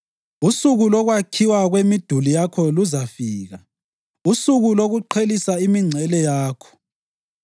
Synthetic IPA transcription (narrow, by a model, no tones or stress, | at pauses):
usuɣulɔɣwakʰiwaɣwemid̥ʱulijakʰɔluzafiːɣa | usuɣuloɣuǃʰelisaimiŋ͡ǀʱɛlɛjaːkʰɔ̥